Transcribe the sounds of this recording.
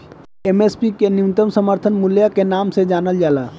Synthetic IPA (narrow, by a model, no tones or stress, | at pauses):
emeːspikenɪmt̪əmsəməɾt̪ʰənmʊljakenaːmsed͡ʒaːnəld͡ʒaːlaː